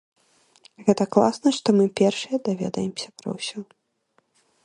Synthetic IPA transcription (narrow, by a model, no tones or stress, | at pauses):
ɣɛt̪ɐklˠa̰snɐʂt̪ɔmɨpʲɛrʂɨjɐd̪avʲɛ̰d̪ɐ̰jɛmsʲɐpɾɐ̰wsʲɔ